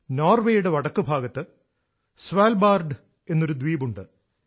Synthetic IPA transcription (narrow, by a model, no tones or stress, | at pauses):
noːrʋe̞ːjuɽe̞ʋɐɽɐkːɨbʱaːɡɐt̪ːɨ | sʋaːlbaːrɖɨ | e̞nːo̞ɾud̪ʋiːbuɳɖɨ